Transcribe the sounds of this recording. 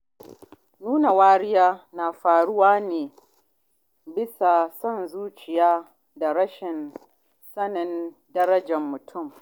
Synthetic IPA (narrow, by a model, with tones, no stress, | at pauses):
nuː˦na˨waː˦ɽɪ˦jaː˦na˨ɸaː˨ɽʊ˦waː˦neː˨ | bɪ˦sa˨sɔ˦˨nzuː˦t͡ʃɪ˨jaː˦ | da˨ɾɐ˦ʃɪ˨n | sɐ˦nɪ˨n | dɐ˦ɾɐ˦d͡ʒɛ˨mːʊ˨tʰʊ˦˨m